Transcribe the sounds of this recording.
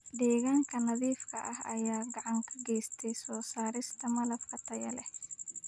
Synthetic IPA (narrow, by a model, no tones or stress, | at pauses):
ɖ̪ɛːɣaːŋkʰɐnɐðiːfkʰɐʔɐhɐ̰jaːɡɑʕɑŋkʰɐɡɛːst̪ʰɛjsɔːsaːɾɪst̪ʰɐmɐlɐfkʰɐt̪ʰɐjɐ̰lɛh